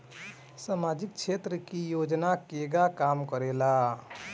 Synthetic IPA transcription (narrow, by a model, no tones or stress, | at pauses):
samad͡ʒik̚t͡ʃʰet̪ɾəkijod͡ʒnakeɡakamkəɾela